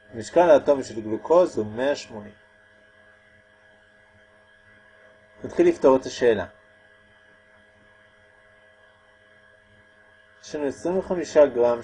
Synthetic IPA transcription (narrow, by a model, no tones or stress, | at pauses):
miʃkalaːto̞miʃelɡlukʰo̞zhume̞aʃmo̞nim | nat̪χilːifto̞ʁetaʃe̞ːla̰ | ʃenuesʁimveχamiʃaɡʁam